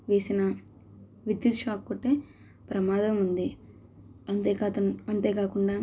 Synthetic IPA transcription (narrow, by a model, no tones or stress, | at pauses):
ʋe̞ːsinɐ | ʋid̪jiut̪ʂaːkːoʈːeː | pɾɐmaːd̪ɐmund̪i | ɐnt̪eːkːɐnt̪e̞ːkaːkuɳɖaː